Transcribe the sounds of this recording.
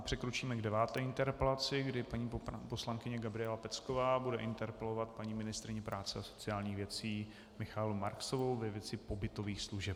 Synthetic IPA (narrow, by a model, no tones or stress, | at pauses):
pr̝̥ɛkɾot͡ʃiːmɛɡdɛvaːt̪ɛːʔɪnt̪ɛɾpɛlat͡sɪɡdɪpaɲiːposlaŋkɪɲɛɡabɾɪɛlapɛt͡skovaːbudɛʔɪnt̪ɛɾpɛlovat̪̚paɲiːmɪnɪst̪ɾɪɲɛpɾaːt͡sɛaso̞̥t͡sɪaːlɲiːɣvjɛt͡siː | mɪxaːlumaɾksovowvɛvjɛt͡sɪpo̞bɪt̪oviːxsluʒɛp